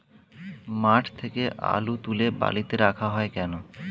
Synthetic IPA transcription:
maʈʰt̪ʰekeʔa̰lut̪uleba̰lit̪eɾakʰaɦɔekɛno

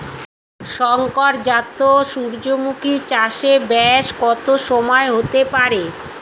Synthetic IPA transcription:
ʃɔŋkoɾd͡ʑat̪ːoʃuɾd͡ʑomukʰit͡ɕaʃebɛʃkɔt̪oʃɔmɔeɦot̪epaɾe

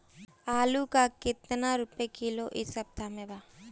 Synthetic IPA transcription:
aːlukakɪt̪naɾʊpekiloʔɪsɐb̚t̪ʰamẽbaː

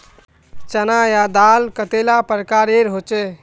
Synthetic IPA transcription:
t͡ʃənajad̪alkət̪elapəɾəkaɾeɾɦot͡ʃɛ

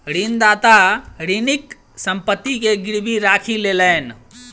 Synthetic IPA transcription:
ɾind̪aːt̪aɾinɪk | sə̃mpət̪ːikeɡɪɾbʱiɾaːkʰileləːn

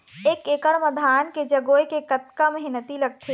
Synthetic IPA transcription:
eːkeːkəɽməd̪ʱaːnked͡ʒɐɡoːekekət̪̚kamɐɦɪnət̪ilɐɡ̚t̪ʰe

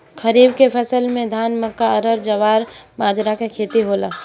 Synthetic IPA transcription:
kʰəɾiːb̚kepʰɐsəlmẽd̪ʱaːnməkːaəɾəɾd͡ʒɐʋaːɾmaːd͡ʒɾakekʰeːt̪iɦoːlaː

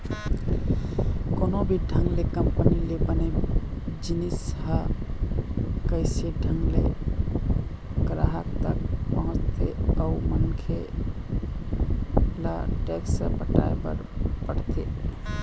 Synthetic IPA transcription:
konobʱiɖʱəŋɡlekəmpənilebəne | d͡ʒinisɦə | kəɪseɖʱəŋɡlḛ | kəɾaɦakt̪əkpəɦʊ̃t͡ʃt̪ʰeaumənkʰe | la̰ʈɛksəpəʈa̰ebə̰ɾpəɽt̪ʰḛ

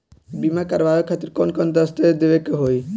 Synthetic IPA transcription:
bimakaɾʋajokʰat̪ːiɾkɔnkɔnd̪əst̪ed̪eʋekeɦoj

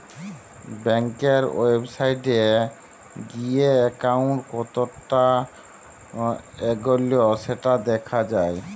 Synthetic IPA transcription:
bɛŋkeɾebsajʈe | ɡieɛkawɳʈkɔt̪oʈːa | eɡolijoseʈad̪ɛkʰad͡ʑae

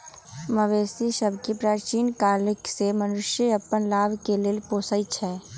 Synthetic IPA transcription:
məʋeːsiʃəbʱkipɾaːɾt͡ʃiːnkaːlɪksemənʊʃjəɐpːənlaːʋkeleːlpoːsəjt͡ʃʰɛː

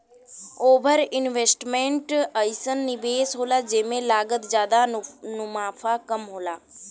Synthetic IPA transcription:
oːbʱəɾɪnʋeːsʈmẽɳʈəjsənːɪbeːsɦoːlad͡ʒeːmẽlaːɡət̪d͡ʒjaːd̪anʊmaːfʰakəmɦoːlaː

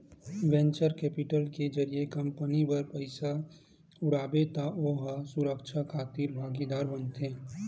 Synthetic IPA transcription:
wɛ̃nt͡ʃəɾkɛːpɪʈəlked͡ʒəɾijekə̃mpənibəɾpəɪsa | ʊɽaːbet̪aoːɦasʊɾəkʃʰakʰaːt̪iːɾbʱaːɡid̪aːɾbənt̪ẽː

